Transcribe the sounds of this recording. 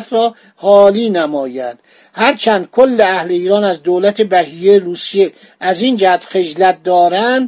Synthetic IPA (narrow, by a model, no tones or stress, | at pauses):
t̪ʰɾɒː | hɒːliːnæmɒːjænd̪̥ | hæɾt͡ʃʰænd̪̥̚kʰolːeæhleiːɾɒːnæzd̪oːlæt̪ʰebæhiːjeɾuːsije | ʔæzind͡ʒæhæt̪xe̞d͡ʒlæt̪̚d̪ɒːɾænd̪